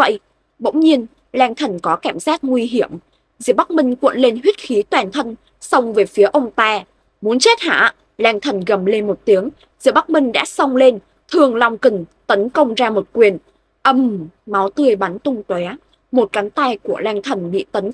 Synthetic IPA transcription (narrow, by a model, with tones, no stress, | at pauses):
və̰˧˨jʔ | ɓə̰˧˥wŋ͡mɲi˧ən | lɛː˧ŋt̪ʰə˨˩nkɔ˨˦kaː˧˩mzaː˦˥t̚ŋwi˧ɦi˧˩əm | zɨ̰˧˨əɓa˦˥k̚mï˧ŋ̟kwə̰˧˨nle˧nɦwi˦˥t̚xi˨˦t̪waː˨˩nt̪ʰə˧n | sə˧wŋ͡mve˨˩jfi˨˦əʔə˧wŋ͡mt̪aː˧ | mu˨˦ənt͡ɕe˦˥t̚ha̰ː˧˨ | laː˧ŋt̪ʰə˨˩nɣə˨˩mle˧nmo˨˩t̚t̪i˨˦əŋ | zɨ̰˧˨əɓa˦˥k̚mï˧ŋ̟ɗa̰ː˧˥sə˧wŋ͡mle˧n | t̪ʰɨ˧əŋla˧wŋ͡mki˨˩ŋt̪ə˨˦nkə˧wŋ͡mzaː˧mo˨˩t̚kwi˨˩ən | ʔə˧˩mma˨˦wt̪ɨ˧əjɓa˨˦nt̪ʊ˧ŋ͡mt̪wɛ˨˦ | mo˨˩t̚ka˨˦nt̪a˧jku˧˩əlɛː˧ŋt̪ʰə˨˩nɓḭ˧˨t̪ə˨˦n